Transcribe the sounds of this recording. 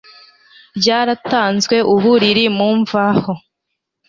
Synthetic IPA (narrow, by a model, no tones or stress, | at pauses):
ɾɟaːɾataːnzwe̞ʔuβuɾiɾimuːɱvaho